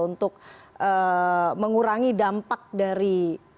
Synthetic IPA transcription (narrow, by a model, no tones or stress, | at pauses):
unt̪ʊk̚ʔəməŋuɾaŋidampak̚daɾi